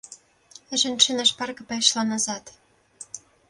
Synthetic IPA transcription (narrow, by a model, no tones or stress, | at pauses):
ɘ̆ʒɘ̆nʃɘ̆nɑʃpɑrkɤ̆pɑjɤ̆ʃlɑnɑzɑt̪